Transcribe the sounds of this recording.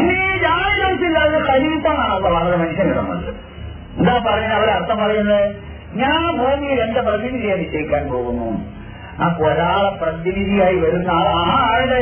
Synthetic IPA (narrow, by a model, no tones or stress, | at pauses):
inːiɾaːjilɐnsilːaːɐðkɐɾit̪ːɐmaːɳɐlːɐːʋaːt̪ɐɾemɐnuɕjɐniɾɐ̰nːɐ̰ɳɖɨ | end̪aːpɐrɐjːunːɐʋiɽeɐrt̪ʰːɐmpɐrɐjunːɐðɨ | ɲaːnbʱoːmijiɾenɖɐprɐʋinilːɐjenʋiɕɐjikʲːaːnpo̞ːɣunːṵ | aːpoːɾaːɭɐprɐd̪iʋiðijaːjiʋɐɾunːɐaːaːaːɻiɽe